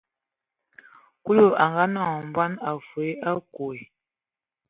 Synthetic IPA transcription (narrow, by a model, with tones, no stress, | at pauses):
ku˦lo˦˨a˨ŋɡa˦nɔ˦˨m˨bwa˦na˨fe˦a˦ko˨e˨